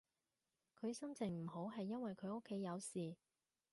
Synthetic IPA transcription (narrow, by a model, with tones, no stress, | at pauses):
kʰɵ˨˧ɥsɐ˥mt͡sɪ˨˩ŋm̩˨˩ɦo˨˥wɦɐ˨jːɐ˥nwɐ˨jkʰɵ˨˧ɥo˥kʰːe˨˥jɐ˨˧wsiː˨